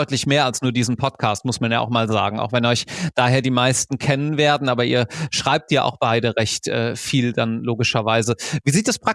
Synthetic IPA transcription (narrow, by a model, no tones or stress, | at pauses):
ʏtlɪçmeːɐalsnuːɐdiːzn̩pʰɔtkʰaːstmʊsmanja̰aʊxmaːlza̰ːɡŋ̩ʔa̰ʊxv̥ɛnɔʏçd̥aːɦeːɐdiːmaɪstn̩kʰɛnənveːɐdn̩ʔaːbɐʔiːɐʃʁ̥aɪp̚tjiːʔa̰ʊxb̥aɪdəʁɛçtʔɛ̰ːfiːldanloːɡɪʃɐvaɪzəviːziːt̚d̥aspʁ̥a